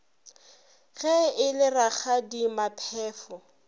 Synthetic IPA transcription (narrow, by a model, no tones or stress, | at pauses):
ɣɛɪlɪraχadimapʰɛːfɔ